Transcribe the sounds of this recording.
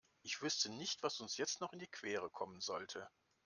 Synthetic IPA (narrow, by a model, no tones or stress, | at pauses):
ʔɪçv̥ʏstʰənɪçtv̥asʊnsjɛt͡stnɔχɪndiːkʰv̥eːʁəkʰɔmənzɔltʰə